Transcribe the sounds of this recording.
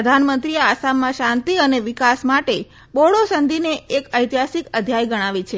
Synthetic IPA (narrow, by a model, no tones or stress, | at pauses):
əd̪ʱanmənt̪ɾiaasamːãʃãnt̪iəneʋikasmaʈe | boɽosənd̪ʱineʔːkəjt̪iɦasikəd̪ʱjajɡəɽ̃aʋit͡ʃʰe